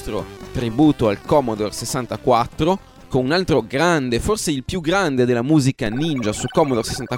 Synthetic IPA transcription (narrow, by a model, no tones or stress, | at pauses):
t̪ɾo̰t̪ɾibuːt̪oalkɔːmod̪orsesːant̪akwat̪ːɾo | konunalt̪ɾoɡɾand̪eforseilpjuɡɾand̪ed̪elːamuːzikanind͡ʒasukɔmod̪ose̥sant̪a